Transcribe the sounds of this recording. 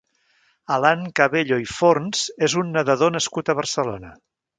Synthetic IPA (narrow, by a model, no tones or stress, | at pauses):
əlaŋkaβeʎoifoɾnz̥ezunːəðəðonəskut̪əβərsəlonə